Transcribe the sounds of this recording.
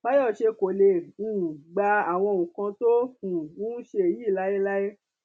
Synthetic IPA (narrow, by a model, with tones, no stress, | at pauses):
ba˦jɔ˦˨ʃe˧ko˨le˧˨ũ˦˨ɡ͡ba˧a˨w̃ɔ̃˧˨ũ˨kã˧to˦ũ˨wũ˦ʃe˧e˨ji˦˨la˦je˦la˦je˦